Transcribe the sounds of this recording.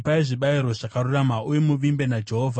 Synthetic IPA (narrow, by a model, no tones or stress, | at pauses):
paiʐiɓaiɾo̞ʐakaruramaujemuʋimbe̞nad͡ʒe̞ɦoːvʱa